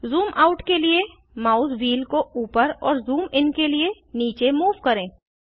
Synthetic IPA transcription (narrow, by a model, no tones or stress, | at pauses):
zuːmʔaːʊʈkelie | maːʊsʋiːlkouːpəɾɔːɾzuːmɪnkelie | niːt͡ʃemuːʋkɐɾẽː